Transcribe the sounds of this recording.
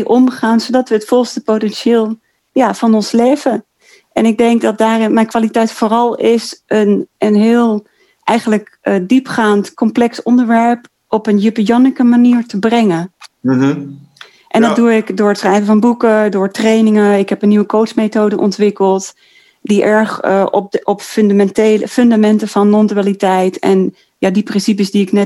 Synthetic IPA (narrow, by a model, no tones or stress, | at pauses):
ʔɔmχaːnzowdɑtʋəətfɔlˠstəpowtɛnʃɪːlˠ | jaːv̥ɑnɔnslejvə | ʔɛnɪɡ̚dɛŋk̚dɑt̚daːrɪnmɛjnkʋaːlitɛjtfʊːrɑlˠɪsənənɦɪːlˠ | ʔɛjχənləkədipχaːntkɔmplɛksɔndəɹʋɛɹp | ɔpənjypijɔnikəmaniːɹtəbrɛŋən | ʔɛndɑduɪkdʊːɹətsχrɛjvəvɑnbukədʊːɹtrejnɪŋəɪkɦɛpənːiʋəkowtsmejtowdəʔɔntʋɪkəlˠt | diʔɛɹχ | ɔpfnamɛnteləfɵndamɛntəv̥ɑnːɔndalitɛjtɛ̰n | jadiprɪnsip̬əsdiɪknɛ